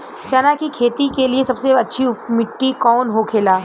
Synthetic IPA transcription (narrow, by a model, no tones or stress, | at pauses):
t͡ʃɐnakikʰeːt̪ikeliesɐbseɐtːʃʰiʊmɪʈːikɔːnɦokʰeːlaː